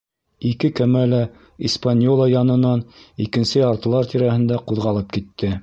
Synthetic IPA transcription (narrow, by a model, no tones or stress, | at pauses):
ikɘkæmælæ | ispanʲjolˠajɑnɤ̆nɑnikɘ̆nsɘɑɾt̪ɤ̆lˠɑɾt̪ʰiɾæhɘ̆nd̪æquðʁɑlˠɤp̚kit̪ːɘ